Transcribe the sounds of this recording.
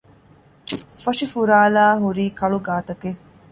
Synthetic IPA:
fɐʂifuɾaːlaːɦuɾiːkɐɭuɡaːt̪ɐke

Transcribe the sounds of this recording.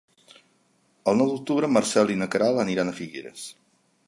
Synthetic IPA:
əlˠnɔwðuk̚t̪uβɾəmərsɛlˠinəkəɾalˠəniɾanəfiɣḛɾə̰s

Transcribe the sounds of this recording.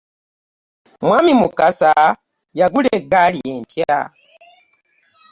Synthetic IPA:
mwamimukasa | jaɡuleɡalieːntja̰

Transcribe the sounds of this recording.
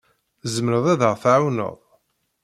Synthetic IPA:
zəmɾəðˤiðəʁθʕawnə̰ðˤ

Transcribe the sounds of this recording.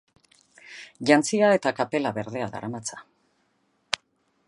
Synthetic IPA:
ʝant͡siae̞t̪akape̞laβe̞ɾðe̞aða̰ɾʔamat͡sḁ

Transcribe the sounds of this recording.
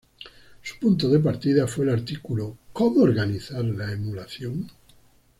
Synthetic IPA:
su̥punt̪̬oðep̬aɾt̪ið̞afwelaɾt̪ikulokomoːɾɣaniθaɾlaemulaθjoŋ

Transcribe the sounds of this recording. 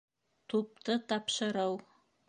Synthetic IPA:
t̪up̚t̪ɤt̪ɑpʃɤ̆ɾɤw

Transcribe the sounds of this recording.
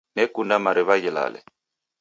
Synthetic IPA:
nɛkundamaɾiβaɣila̰lɛ̰

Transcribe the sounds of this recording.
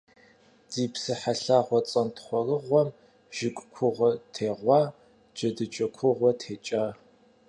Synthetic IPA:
d̥iːpsɨħaɬaːʁʷɔt͡sʼɐntχʷɔrɨʁʷɔm | ʒ̥ɪkʷʼkʷʰʊʁʷɔtʰeːʁʷɑː | d͡ʒɐdɨt͡ʃʼɐkʷʰʊʁʷɔtʰeːt͡ʃʼa

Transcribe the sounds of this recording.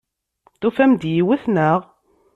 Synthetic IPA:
θufæmd̪jiwæθnəʁ

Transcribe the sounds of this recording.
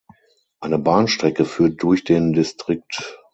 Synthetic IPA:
ʔaɪnəbaːnʃtʁ̥ɛkəfyːɐt̚d̥ʊɐçd̥eːndɪstʁ̥ɪk̚t

